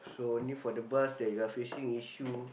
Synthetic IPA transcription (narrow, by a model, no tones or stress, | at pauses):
sonifɔdəbasdɛɡafiʃĩŋiʃu